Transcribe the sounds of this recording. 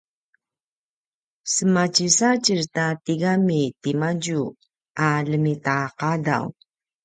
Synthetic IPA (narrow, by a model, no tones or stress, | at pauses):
səmat͡ɕisat͡ɕiɹtatiɡamitimaɟu | aləmitaqada̰w